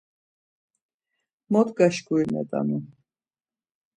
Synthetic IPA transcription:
mɔt̪ɡaʃɡuinɛ̰t̪ʼa̰nu

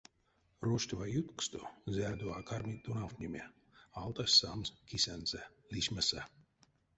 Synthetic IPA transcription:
ɾɔʃt̪ʲvajut̪kst̪uzʲæːd̪uaːkaɾmʲit̪ːunawt̪nʲimʲe | alˠt̪asʲsamskʲisʲænzɛ | lʲiʃmʲasa

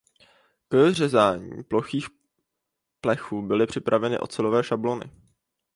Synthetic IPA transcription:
kr̝ɛzaːɲḭːplo̞xiːx | plɛxuːbɪlɪpr̥ɪpɾʔavɛnɪ̰ʔo̞̰t͡sɛlo̞vɛːʃablo̞nɪ̰

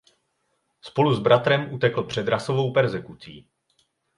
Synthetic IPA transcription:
spo̞luzbɾat̪ɾɛmʔut̪ɛkl̩pr̝̥ɛd̪ɾaso̞vo̞wpɛɾzɛkut͡sḭː

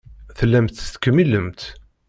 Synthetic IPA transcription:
θəlːæmt̪st̪kəmːilːəmt̪

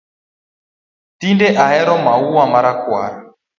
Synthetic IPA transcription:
tindɛʔaɦɛɾɔmauwamaɾakwa̰ɾa

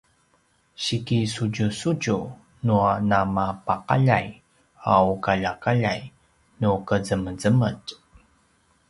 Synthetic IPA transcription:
ɕikisuɟusuɟu | nuanamapaqa̰ʎa̰j | a̰ukaʎakaʎaj | nukəzəməzəmə̰c

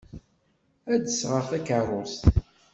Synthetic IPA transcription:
æd̪əsʁəθækərˤʊst̪

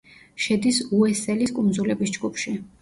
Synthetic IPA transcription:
ʃɛd̪isuɛsɛliskʼund̪zulɛbisd͡ʒɡupʰʃi

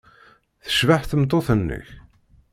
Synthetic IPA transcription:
θə̥ʃvaħθəmt̪ˤoθənːə̰ç

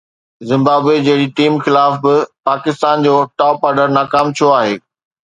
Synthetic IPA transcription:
zɪ̃mbaːbwed͡ʑɐɦɪɽiʈiːmxɪlaːfbɪpaːkɪst̪aːnd͡ʑoːʈaːpaːɾɖəɾnaːkaːmt͡ɕʰioaːɦeː

